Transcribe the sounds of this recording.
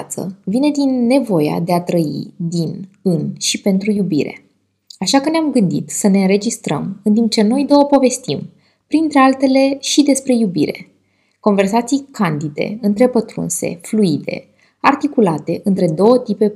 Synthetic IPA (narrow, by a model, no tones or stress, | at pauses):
t̪sə̰vine̞d̪inːe̞vo̞jea̰d̪e̞at̪ɾəḭd̪inɨnʃipe̞nt̪ɾujubiɾe̞̰ | aʃakəneamɡɨnd̪ḭt̪səne̞ɨnɾe̞d͡ʒist̪ɾə̰mɨnt̪imp̚t͡ʃe̞no̞jd̪o̞wəpo̞ve̞st̪im | pɾint̪ɾe̞alt̪e̞le̞ʃid̪e̞spɾe̞jubiɾe̞̰ | ko̞nve̞rsat̪sijkand̪id̪e̞̰ɨnt̪ɾe̞pət̪ɾṵnse̞̰fluid̪e̞̰ | art̪ikulat̪e̞ʔɨnt̪ɾe̞d̪o̞wət̪ipe̞